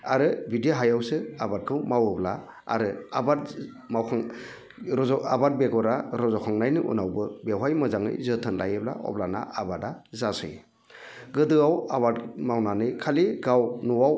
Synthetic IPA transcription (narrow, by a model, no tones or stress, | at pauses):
aɾɯbidiɦajawsɯabat̚kʰɯwmawɯbla | a̰ɾɯabat̚ | mawkʰŋ | ɔabat̚beɡɔɾaɾɔzɔkʰaŋnajnɯʔṵnawbɯbewɦajmɯzaŋɯ̰jzɯtʰɯnlajɯbla̰ʔɔ̰blana̰abadazasɯ̰j | ɡɯdɯawabatmawnanɯjkʰaliɡawnɔwaw